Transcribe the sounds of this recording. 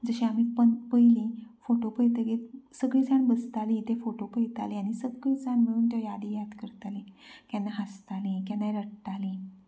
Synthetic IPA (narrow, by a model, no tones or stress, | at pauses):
d͡zəɕeam̤iːpəpəjlĩfoʈopəjt̪əɡiesəɡɭit͡saɳbəst̪alĩt̪efoʈopəjt̪a̰liaɽ̃isəɡɭit͡saɳməɭuːnt̪jɔjad̪ijad̪kəɾt̪alĩkanːaɦəst̪alĩkãnːaɾəɽt̪alĩ